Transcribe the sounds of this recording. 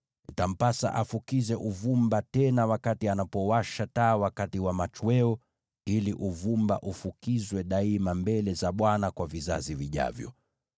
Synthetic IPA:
nitam̩pasa̰ʔafukizɛʔuvumbatɛnawakatianapɔwaʃataːwakatiwamat͡ʃwɛɔ | iliʔuvumba̰ʔufukizwɛɗaimambɛlɛzaɓwanakwaviza̰ziviʄa̰vjɔ̰

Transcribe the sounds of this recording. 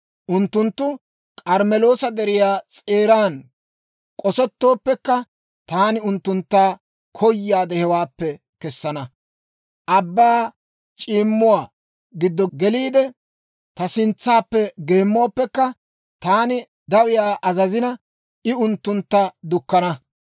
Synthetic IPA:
ʔʊnt̪ːʊnt̪ːʊ | kʼɐɾmɛlo̞ːsɐd̪ɛɾɪjaːt͡sʼeːɾaːn | kʼɔsɔt̪ːo̞ːpːɛkːɐ | t̪aːnɪʊnt̪ːʊnt̪ːaː | kʰɔjːaːd̪ɛhɛwaːpːɛ | kɛsːɐnɐ | ʔɐbːaː | t͡ʃʼiːmːʊwaː | ɡɪd̪ːɔɡɛliːd̪ɛ | t̪ɐsɪnt͡sːaːpːɛɡe̞ːmːoaːpːɛkːɐ | t̪aːnɪ | d̪ɐwɪjaːʔɐzɐzɪnɐ | ɪʊnt̪ːʊnt̪ːɐd̪ʊkːɐnɐ

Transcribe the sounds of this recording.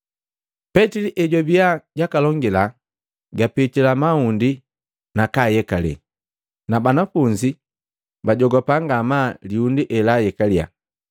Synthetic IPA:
pɛtiliʔɛɟɔbiaɟakalɔŋɡila | ɡapitilamaundi | nakajɛkalɛ̰ | nabanafuɲd͡ʒi | baɟɔɡɔpaŋɡamaliundiʔɛlajɛkalia̰

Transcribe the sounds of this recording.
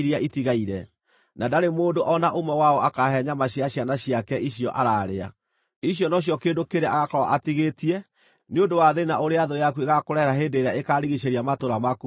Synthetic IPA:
ɾiaʔitiɣaiɾɛ | nadaɾemoːndoʔɔnaʔomɛwaɔʔakaɦɛɲamaɕiaɕjanaɕiakɛʔiɕjɔʔaɾaːɾea̰ | iɕijɔnɔɕ̬ijɔkeːndokeɾeaɣakɔwa̰ʔatiɣetiɛ | neondowaðenaʔoɾeaðojakueɣakoɾɛɾaɦeːndeɾaekaɾiɣiʃeɾiamatoɾamaku

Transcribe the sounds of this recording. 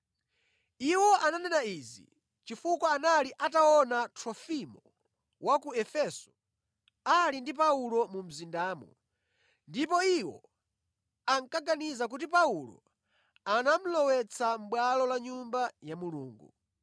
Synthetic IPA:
iwɔʔananɛnaizḭ | t͡ʃifukwaanaliʔataɔnatʰɾɔfimɔ | wakuɛfɛsɔ̥ | alindipaulɔmum̩zindaːmɔ̰ | ndipɔiwɔ̰ | aŋkaɡanizak̬ut̬ipaulɔ̰ | anam̩lɔwɛt͡sʰam̩ɓwalɔlaɲumbajamuluːŋɡṵ

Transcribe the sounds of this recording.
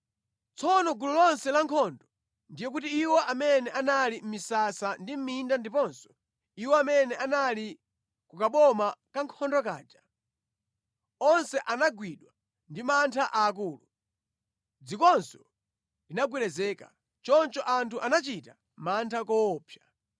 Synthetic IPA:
t͡sʰɔnɔɡululɔnsɛlaŋkʰɔndɔ | ndijɛkutiːwɔʔamɛnɛʔanalim̩misasandim̩mindandipɔnsɔ̥ | iwɔamɛnɛʔanali | kukaɓɔmakaŋkʰɔndɔk̬a̰ːd͡ʒa | ɔnsɛʔanaɡwiɗwa | ndimantʰaʔaːk̬uːlu | d͡zikɔnsɔ | dinaɡwilɛzɛːka | t͡ʃɔnt͡ʃɔʔantʰuʔanat͡ʃita | mantʰakɔːpʰja

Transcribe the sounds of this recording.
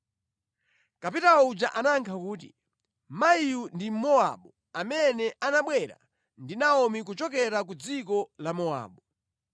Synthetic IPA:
kapitaud͡ʒaʔanaŋkʰakuːt̬ḭ | maiundim̩mɔa̰ɓɔ | amɛnɛʔanaɓwɛɾa̰ | ndinaɔmik̬ut͡ʃɔkɛɾakud͡zikɔlamɔa̰ːɓɔ

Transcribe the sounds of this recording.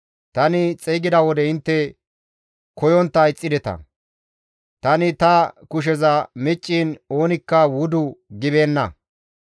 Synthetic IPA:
t̪ɐnɪt͡sʼɛjɡɪd̪ɐwɔd̪ɛɪnt̪ːɛ | kɔjɔnt̪ːɐɪt͡sʼːɪd̪ɛt̪ɐ̰ | t̪ɐnɪt̪ɐkʊʃ̬ɛzɐmɪt͡ʃʼːiːno̞ːnɪkːɐwʊd̪ʊɡɪbe̞ːnːɐ̰

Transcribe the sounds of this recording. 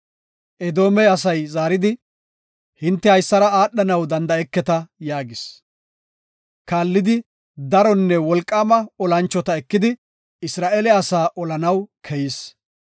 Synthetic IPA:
ʔɛd̪o̞ːmɛɐsɐjzaːɾɪd̪ɪ | hɪnt̪ːɛhɐjsːɐɾɐaːɗːɐnɐwd̪ɐnd̪ɐɛkːɛt̪ɐjaːɡɪs | kaːlːɪd̪ɪ | d̪ɐɾɔnːɛwɔlkʼːaːmɐɔlɐnt͡ʃːɔt̪ɐɛkːɪd̪ɪ | ɪsɾaːʔeːlɛɐsaːʔɔlɐnɐwkʰɛjɪs

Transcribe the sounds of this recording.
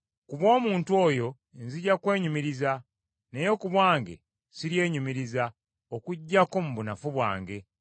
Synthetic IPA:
kuβwo̞ːmuːntuo̞ːjo̞ | enziɟakwe̞ːɲumiɾiza | ne̞jo̞kuβwaːŋɡe̞̰ | siɾje̞ːɲumiɾiza | okuɟːako̞muβunafuβwa̰ːŋɡe̞

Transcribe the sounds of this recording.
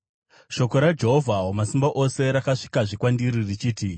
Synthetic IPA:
ʃo̞ko̞ɾad͡ʒe̞ɦovʱaɦomasimbaʔo̞se̞ɾakaʂi̥kaʐikwandiɾirit͡ʃiːti

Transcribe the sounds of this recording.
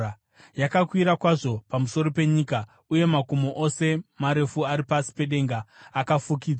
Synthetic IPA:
jakakwiɾakwaʐo̞pamuso̞ɾope̞ɲiːka | uje̞makomoʔose̞maɾe̞fuaɾipasi̥pe̞ɗe̞ŋɡaːkafuk̬iːd͡zwa

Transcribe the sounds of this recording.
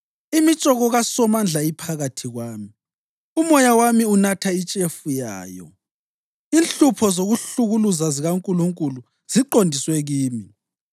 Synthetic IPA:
imit͡ʃʼɔɣɔɣasɔmand͡ɮʱaipʰaɣatʰiɣwaːmi | umɔjawamiunatʰait͡ʃʼefuja̰ːjɔ̰ | inɬupʰɔzoɣuɬuɣuluzaziɣaŋkʼuluŋkʼulu | z̥iǃondʱiswɛɣiːmi

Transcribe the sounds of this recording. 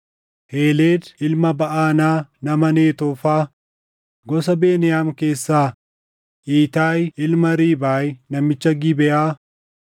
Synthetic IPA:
heːleːd̪ɪlmɐbɐʔaːnaːnɐmɐneːt̪ɔːfaː | ɡɔsɐbe̞ːnɪjaːmke̞ːsːaː | ʔiːt̪aːjɪlmɐɾiːbaːjnɐmːɪt͡ʃːɐɡɪbɛʔaː

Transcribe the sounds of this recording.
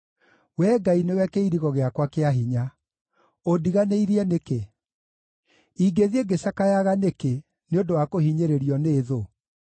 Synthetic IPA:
wɛːɡainewɛkeiɾiɣɔɣeakwakeaɦiɲa | odiɣaneiɾiɛneke | iɡeðieɡeɕakajaɣaneke | neondowakohiɲeɾeɾiɔneːðo

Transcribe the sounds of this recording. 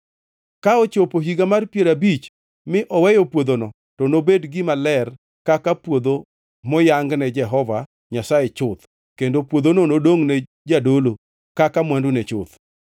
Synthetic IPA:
kaɔt͡ʃopoɦiɡamarpjeɾabit͡ʃ | mɪʔɔwɛjɔpwod̪onɔ | tɔnobedɡɪmalɛr | kakapwod̪o | mɔjaŋɡnɛd͡ʒɛɦɔva | ɲasajet͡ʃʊt̪ | kendopwod̪ononodoŋnɛ | d͡ʒadolo | kakamwandunɛt͡ʃʊ̰t̪

